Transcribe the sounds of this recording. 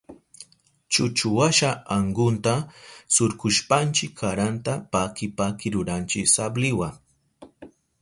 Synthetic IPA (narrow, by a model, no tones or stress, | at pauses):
t͡ʃʊt͡ʃʊwaʃaaŋɡʊnt̪asʊɾkʊʃpant͡ʃɪkʰːaɾant̪apakɪpakɪɾʊɾant͡ʃɪsablɪwaŋ